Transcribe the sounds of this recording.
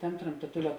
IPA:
ˈtɐmʲ trɐmtɐˈtʊlʲɛ

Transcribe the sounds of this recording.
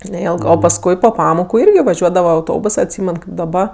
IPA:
nʲɛˈɪlˠɡɜ oː pɐsˈkʊɪ poː ˈpɑːmoːkʊ ˈɪrʲɡʲɪ ʋɐˈʒʲuɔdɐʋɐ ɐʊˈtoːbʊs ɐtʲˈsʲiːmʲɛn kɐɪp dɐˈbɐ

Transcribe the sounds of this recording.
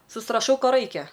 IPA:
sʊsrɐˈʃɐʊ ˈkoː ˈrɐɪkʲɛ

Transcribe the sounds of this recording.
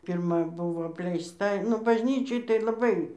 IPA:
pʲɪrˈmɐ ˈbʊʋoː ɐpʲlʲɛɪsˈtɐ nʊ bɐʒʲˈnʲiːt͡ʃʲoːj tɐɪ lˠɐˈbɐɪ

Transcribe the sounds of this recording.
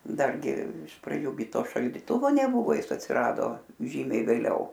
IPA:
ˈdɐrʲɡʲɪ ɪʃ prɐˈd͡ʒʲuː ɡʲɪ ˈtoː ʃɐlʲdʲɪˈtʊʋoː nʲɛˈbʊʋoː ˈjɪs ɐtʲsʲɪˈrɑːdoː ˈʒʲiːmʲɛɪ ʋʲeːˈlʲɛʊ

